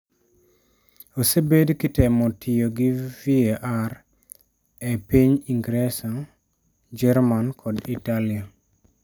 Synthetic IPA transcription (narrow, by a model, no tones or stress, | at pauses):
osebedkɪtɛmɔtʰɪjoɡɪvieʔar | epiɲiŋɡɾesɔn | d͡ʒɛɾmankʰɔditalia